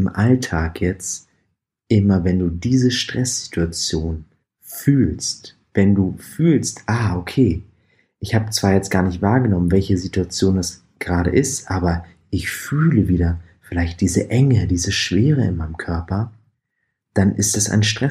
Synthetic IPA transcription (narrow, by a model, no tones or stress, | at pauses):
mʔaltʰaːkjɛt͡st | ʔɪmɐvɛnduːdiːzəʃtʁ̥ɛsz̥i̥tʰuat͡sjoːn | fyːlst | vɛnduːfyːlstʔaːʔokʰeː | ʔɪçhaːbət͡sv̥aːɐjɛt͡st̚ɡ̥aːɐnɪçtv̥aːɐɡənɔmənvɛlçəzituat͡sjoːndas | ɡ̥əʁaːɾə̰ʔɪstʔaːbɐ | ʔɪçfyːləviːdɐ | fɪlaɪçt̚d̥iːzəʔɛŋədiːzəʃv̥eːʁəɪ̰nmaɪnəmkʰœɐpɐ | d̥anʔɪstd̥asʔa̰ɪnʃtʁ̥ɛ